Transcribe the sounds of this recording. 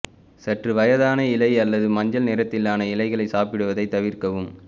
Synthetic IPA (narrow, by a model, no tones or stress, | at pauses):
sɐʈrɯʋɐjɐðaːnɐɪlɐɪɐlːɐðɯmɐɲd͡ʒɐlneːɾɐt̪ːɪlːaːnɐɪlɐɪɣɐɭɐɪsaːpɪɽɯʋɐðɐɪt̪ːɐʋɪrkɐʋɯm